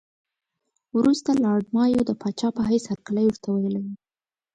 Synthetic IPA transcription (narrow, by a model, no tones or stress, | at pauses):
wɾust̪alɑɖmɑjod̪əpɑt͡ʃɑpəɦajshaɾkaləjoɾt̪ʰawajlawi